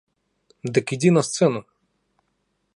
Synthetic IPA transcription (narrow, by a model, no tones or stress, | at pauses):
d̪ɨkidʲinɐst̪sɛnʊ